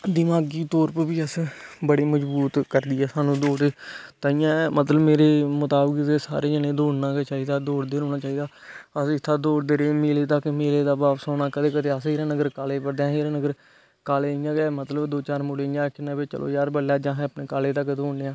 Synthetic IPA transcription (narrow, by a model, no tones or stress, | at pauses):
d̪ɪmaːɡiːt̪oːɾpəbiːəsbəɽiːməd͡ʒbuːt̪kəɾd̪iːɦɛːsaːnũːd̪oːɽet̪aɪjãːmət̪ləbmeːɾeːmʊt̪aːbəkd̪eːsa̰ːɾeːd͡ʒənẽːd̪oːɽnaːt͡ʃaːiːd̪aːd̪oːɽd̪eːɾɦoːñaːt͡ʃaːiːd̪aː | əsɪt̪ʰːaːd̪oːɽd̪eːɾeːmeːleːt̪əkmeːleːd̪aːbaːpsoːnaːkəd̪eːkəd̪eːəseːɾãːnəɡəɾkaːleːpəɾd̪eãːɦeːɾãːnəɡəɾ | kaːleːɪjãːɡɛːmət̪ləbd̪oːt͡ʃaːɾmʊɽeːãːkʰɪnãːbet͡ʃə̰lo̰ːjaːɾbəlːaːd͡ʒãːɦɛ̃əpneːkaːleːt̪əkd̪oːɳneːãː